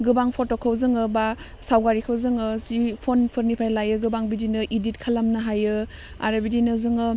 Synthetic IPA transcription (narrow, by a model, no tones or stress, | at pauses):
ɡɯbaŋpʰotokʰawzɯŋɯba | sawɡaɾikʰawzɯŋɯsipʰonpʰɯɾnipʰajlajɯɡɯbaŋbidinɯʔidit̚kʰalamnɯɦajɯ | a̰ɾɯbidinɯzɯŋɯ